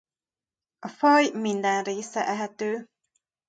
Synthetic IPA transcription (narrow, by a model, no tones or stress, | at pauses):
ɒfɒjmind̪ɛnreːsɛʔɛɦɛt̪øː